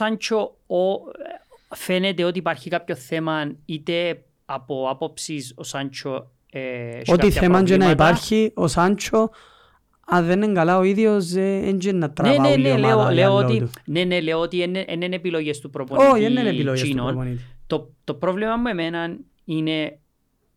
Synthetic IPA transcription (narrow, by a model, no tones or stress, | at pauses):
sant͡ʃʰo | o | fenet̪eot̪ipaɾçikapçoθemɐnit̪e | ɐpoapopsisosant͡ʃʰo | ḛoiθemand͡ʒenaipaɾçiosant͡ʃʰo | ɐðːenːeŋɡɐlaoiðiozːeend͡ʒenːɐt̪ːɾanevaeneleoleoot̪it̪uneneleoot̪ienʔenenepiloʝest̪upɾopooenːenepilojssinonponit̪it̪ot̪o̞pɾovlemɐmːue̞menɐn | ine